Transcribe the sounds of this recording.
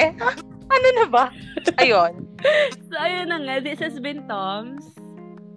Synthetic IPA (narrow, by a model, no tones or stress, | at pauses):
ʔɐnonɐbaʔɐjonsoʔɐjonːɐŋaðɪshɐsbɪnt̪ɔms